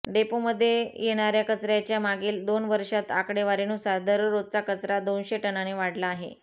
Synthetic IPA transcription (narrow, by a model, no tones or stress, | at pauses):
ɖepoməd̪ʱːjejeɽ̃aɾjakət͡sɾjat͡ɕjamaɡiːld̪onʋəɾʂat̪akɽeʋaɾenusaɾd̪əɾːod̪̚t͡sakət͡sɾad̪onɕeʈənaneʋaɽlaːɦḛ